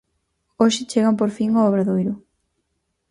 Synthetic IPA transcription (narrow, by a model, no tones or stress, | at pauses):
oʃɪt͡ʃeɣɐmp̬oɾfiŋoɔβɾɐðojɾʊ